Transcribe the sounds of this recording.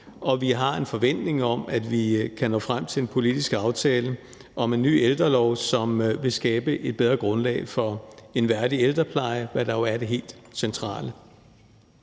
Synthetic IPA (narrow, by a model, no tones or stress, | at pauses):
ɒ̽ʋiɦɑ̈e̝nfɒ̽ʋen̰d̥ne̝ŋɒ̽mæd̥ʋikʰænɔ̰ːfʁam̰t͡sʰe̝lenpʰo̝lid̥isɡ̥ɑ̈ʊt͡sʰɛːlə | ʔɒ̽me̝nːy̰ːeld̥ʁɐlɒʊ̰sɒ̽mʋe̝sɡ̥ɛːb̥əʔe̝d̥̚b̥eð̞ˠʁɐɡ̥ʁɔ̽nlɛ̰ːɪfɒ̽e̝nʋæɐdield̥ʁɐpʰlɑ̈ɪəʋæd̥ɑ̈jo̝æɐde̝ɦe̝̰ːld̥sent͡sʰʁɑ̰̈ːlə